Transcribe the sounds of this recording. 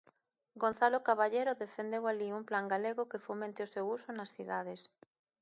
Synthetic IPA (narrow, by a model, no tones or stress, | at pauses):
ɡon̟θalokaβaʎeɾʊðefend̪ewaliumplaŋɡaleɣʊkefomẽnt̪ɪosewusʊnasθiðað̞es